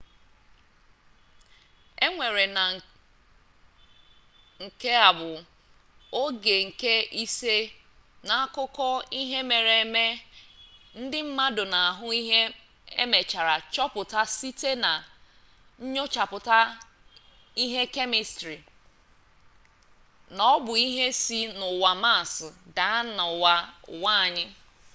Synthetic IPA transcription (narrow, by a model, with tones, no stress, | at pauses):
e˦ŋʷe˨ɾe˨na˨ | ŋ̩˨ke˦a˨bʊ˨ | o˦ɡe˨ŋ̩˨ke˦ʔi˦se˦ | na˨a˦kʊ˦kɔ˦i˦ɦe˦me˨ɾe˨e˦˨me˦ | n̩˦dɪ˦m̩˦ma˦dʊ˨na˨a˨ɦʊ˦i˦ɦe˦ | e˦me˨t͡ʃa˨ɾa˨t͡ʃɔ˦pʊ˨ta˦si˦te˦na˨ | ɲ̩˦ɲo˦t͡ʃa˨pʊ˨ta˦ | i˦ɦe˦ke˦mi˨stɾi˨ | nɔ˦bʊ˨i˦ɦe˦si˦nʊ˨wa˨ma˦˨sʊ˨da˨a˦na˨wa˨wa˦˨ɲɪ˦